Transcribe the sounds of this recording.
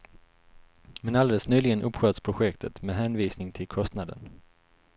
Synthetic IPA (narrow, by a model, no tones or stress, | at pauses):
mɛnald̪eːləsnyːlɪɡənʔɵpːɧøːt̪spʰɾʊɧɛkt̪ʰət̪mɛːɦɛnviːsnɪŋt̪ʰɪlkʰɔst̪nad̪ə̰n